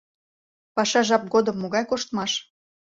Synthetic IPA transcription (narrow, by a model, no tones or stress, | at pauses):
pɑʃɑʒɑp̚ɡod̪əmːoɣɑjkoʃt̪mɑʃ